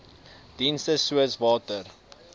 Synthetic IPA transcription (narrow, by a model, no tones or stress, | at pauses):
d̥instəsuəsvɑːtər